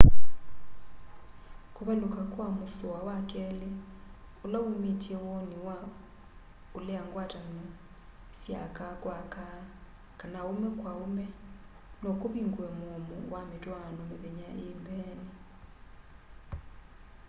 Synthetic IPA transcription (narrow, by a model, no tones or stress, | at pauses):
koβɛlokakwamosowawakɛleolaumitiɛwɔniwa | oleaŋɡwatanɔ | sja̰kakwaka | kanaomɛkwaumɛ | nɔkoβiŋɡwɛmːmṵwametwanɔmeβeɲaʔembɛnɛ